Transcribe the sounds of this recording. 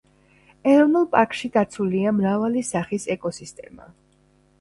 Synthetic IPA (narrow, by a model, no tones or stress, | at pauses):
ɛɾɔnulˠpʼaɾkʼʃid̪at̪sʰuliamɾavalisaχisɛkʼɔsist̪ʼɛma̰